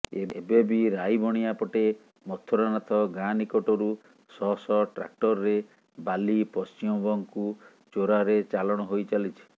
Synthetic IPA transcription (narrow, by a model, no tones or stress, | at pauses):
eebebiɾajbʱɔɽ̃iapɔʈe | mɔt̪ʰːɔɾɔnat̪ʰɔɡãnikɔʈɔɾu | sɔsɔʈɾa̰k̚ʈɔɾɔɾe | balipɔst͡ʃimɔbɔŋku | t͡ʃoɾaɾet͡ʃalɔɽ̃ɔɦojt͡ʃalit͡ʃʰi̥